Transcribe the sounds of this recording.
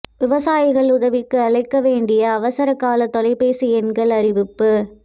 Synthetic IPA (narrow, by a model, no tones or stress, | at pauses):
ʋɪʋɐsaːjɪɣɐɭʊðɐʋɪkːɯɐɭɐɪkːɐʋeːɳɖɪjɐːʋɐsɐɾɐkːaːlɐt̪ːɔlɐɪpeːsɪɛnɡɐɭɐɾɪʋɪpːɯ